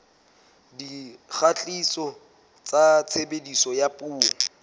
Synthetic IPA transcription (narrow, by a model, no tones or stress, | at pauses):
dik͡xat͡ɬʼisɔ | t͡sat͡sʰebedisɔjapʼuːɔ